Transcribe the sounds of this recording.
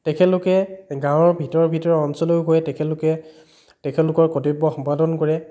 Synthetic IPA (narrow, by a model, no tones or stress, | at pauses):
tɛkʰɛlʊkɛɡãw̃ɔɹbʱitɔɹɔbʱitɔɹɛɔnsɔlɔjʊɡojɛtɛkʰɛlʊkɛ | tɛkʰɛlʊkɔɹkɔtibːɔxɔmpadɔnkɔɹɛ